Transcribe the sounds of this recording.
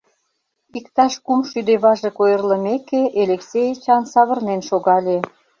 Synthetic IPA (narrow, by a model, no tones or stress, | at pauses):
ikt̪ɑʃkumʃyd̪eβɑʒĕkojə̆rlə̆mekeʔeleksejet͡ɕɑnsɑβə̆rnenʃoɣɑlʲe